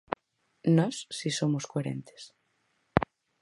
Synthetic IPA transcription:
nɔsːisomoskoeɾḛnt̪e̥s

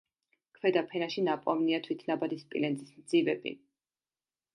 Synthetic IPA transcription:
kʰwɛd̪apʰɛnaʃinapʼɔvniat̪ʰwit̪ʰnabad̪ispʼḭlɛnzʼi̥smd̪z̥ivɛbḭ

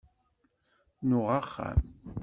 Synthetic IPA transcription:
nʊʁaχːa̰m

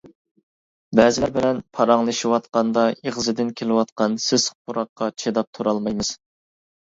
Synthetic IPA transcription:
bɛzɪlæɾbɪlɛnpʰɑɾɑŋlˠɨʃiwɑt̪qɑnd̪ɑeʁzɨd̪ɪnkʲʰelɪwɑt̪qɑnsɪzqʰuɾɑqːɑt͡ʃʰed̪ɑp̚t̪ʰuɾɑlˠmɑjmɨz̥

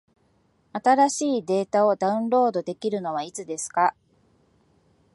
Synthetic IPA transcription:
at̪aɾaɕiːd̪e̞ːt̪ao̞d̪aɯ̟̃nɾo̞ːd̪o̞d̪e̞kʲiɾɯ̟no̞β̞ait͡sɨd̪e̞sɨ̥ka

